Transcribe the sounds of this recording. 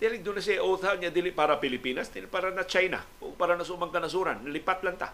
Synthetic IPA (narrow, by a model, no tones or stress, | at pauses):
d̪ɪlɪŋ̚d̪ʊnɐs̬ɛʔoːθɐaŋɲɐd̪ilɪpaːɾɐpɪlɪpiːnɐsd̪ɪlpaːɾanɐt͡ʃajna̰o̰paːɾanɐsmaŋkɐnɐs̬uːɾɐ̰nːɐlɪpat̪lɐŋt̪a̰